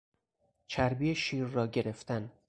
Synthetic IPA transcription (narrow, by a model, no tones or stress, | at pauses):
t͡ʃʰæɾbiːeʃiːɾːɒːɟe̞ɾe̞ft̪æn